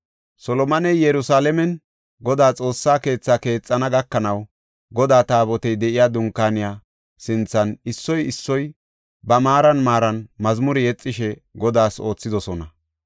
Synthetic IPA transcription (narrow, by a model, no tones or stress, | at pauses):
sɔlɔmɐnɛjjɛɾʊsaːlɛmɛn | ɡɔd̪aːt͡sʼo̞ːsːaːke̞ːt͡sːaːke̞ːt͡sʼːɐnɐɡɐkːɐnɐw | ɡɔd̪aːt̪aːbɔt̪ɛjd̪ɛʔɪjaːd̪ʊŋkːaːnɪjaː | sɪnt͡sːɐnɪsːɔjɪsːɔj | bɐmaːɾɐnmaːɾɐnmɐzmʊɾɪjɛt͡sʼːɪʃɛɡɔd̪aːso̞ːt͡sːɪd̪ɔsɔnɐ